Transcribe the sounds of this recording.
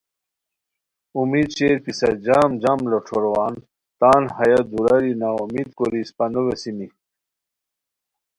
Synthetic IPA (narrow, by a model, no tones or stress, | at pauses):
umiːd̪t͡ɕeːɾpisɐd͡ʑaːmd͡ʑamloʈ͡ʂʰoɾwaːn | t̪aːnhɐjɐd̪uɾɐɾinaumiːd̪koɾispɐnuwesimi